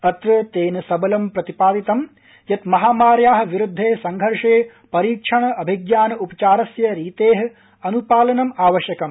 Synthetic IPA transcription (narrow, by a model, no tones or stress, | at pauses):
ɐt̪ɾɐt̪eːnɐsɐbɐlɐmpɾɐt̪ipaːd̪it̪ɐm | jɐt̪mɐɦaːmaːɾjaːɦɐ̆ʋiɾud̪ʱːeːsɐŋɡʱɐɾʂeː | pɐɾiːkʂʰɐɳɐɐbʱiɡjaːnɐupɐ̥t͡ʃaːɾɐsjɐɾiːt̪eːɦɐ̆ | ɐnupaːlɐnɐmaːʋɐʃjɐkɐm